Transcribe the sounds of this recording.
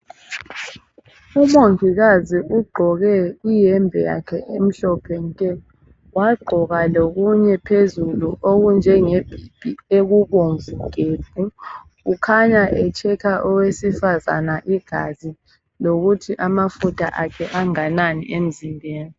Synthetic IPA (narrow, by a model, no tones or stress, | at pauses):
umoŋɡʱiɣaziʔuɡ͡ǃʱɔɣɛijɛmbʱɛja̰kʰɛʔem̩ɬɔpʰɛntʼɛ | waɡ͡ǃʱɔɣaloɣuɲɛpʰezuluʔoɣund͡ʒʱɛŋeb̥ʱib̥ʱieɣuβoɱvuɡ̥ʱeb̥̚ʱu | ukʰaɲaʔɛt͡ʃʰɛkʰaʔɔwesifaza̰naʔiɡ̥ʱa̰zi | loɣutʰiʔamafutʰa̰ʔakʰɛʔaŋananḭʔem̩zimbʱeːni